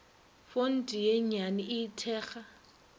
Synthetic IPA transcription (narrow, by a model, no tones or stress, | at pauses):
fon̩tʼijɛɲaniʔɪtʰɛːxa